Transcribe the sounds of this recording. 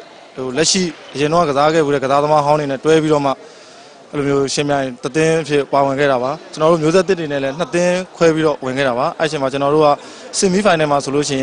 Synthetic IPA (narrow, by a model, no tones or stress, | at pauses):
olɛʔʃḭʔəjɪ̃nõa̰əzaɡɛ̰uɾɛ̰ɡəzad̪əmaɦãʊ̃ndenɛtwɛpiɾɔma̰ | dilomjoʃɪ̃mjãɪ̃t̪ət̪ɪ̃ʔəpʰjɪ̰̃pawɪ̃ŋɡɛ̰ɾaβat͡ɕənɔɾo̰mjozɛt̪̬ːɪ̃tenɛlɛn̥ət̪ɪ̃kʰwɛpiɾɔwɪ̃ŋɡɛ̰ɾaβaʔɛ̰ẽmat͡ɕənɔɾo̰ɡa | sɪ̃mipʰãɪ̃nɛ̃masolo̰ʃ̬ɪ̃ɪ̃